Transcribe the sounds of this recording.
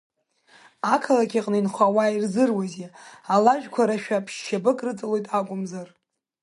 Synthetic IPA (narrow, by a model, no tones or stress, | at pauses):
akʰalakʲʰaqʼnɨinχʷawairzɨrwazealaʒᶣkʷʰaɾaʃᶣapʰʃːabɨkʼrɨt͡sʼɨlo̞jtʼakʷʼʊmzar